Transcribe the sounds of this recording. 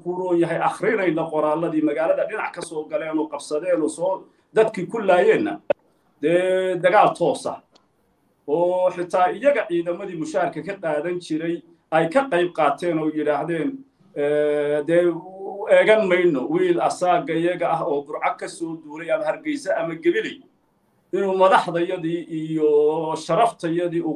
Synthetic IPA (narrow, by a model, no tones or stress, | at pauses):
kʰuɾɔːjɐɦɛjʔɑχɾɪnɛjnɐqɔɾaːlɐðiːmɐɣaːlɐðɐɖɪnɑʕkʰɐsɔːɡɐlɛːnɔːqɑb̥sɐðɛːnɔːsɔː | d̪ɐd̪kʰiːkʰʊlaːjɛːnːɐ̰ | d̪̥ɛːd̪ɐɣaːlt̪ʰɔːsɐ̰ | ʔɔːħɪt̪ʰaːɪjɐɣɐʕiːðɐmɐðiːmʊʃaːhɐrkʰɐkʰɐqaːðɐnt͡ʃʰɪɾɛj | ʔɛjkʰɐqɑjb̚qɑːt̪ʰɛːnɔːjɪɽaːhɦðɛːn | ɛːd̪ɛːɛːɣɐnmɐjnɔwiːlɐsaːɡɐjɐɣɐɐɦɔːd̪ʊrʕɑɡ̚kʰɐsɔːd̪uːɾɛjɐmɐhɐrɡɛjsɐɐmɐɡɛβɪlɛj | ʔɪnuːmɐðɑħðɐjɐðiːʔijɔʃɐɾɐft̪ʰɐjɐðiːʊ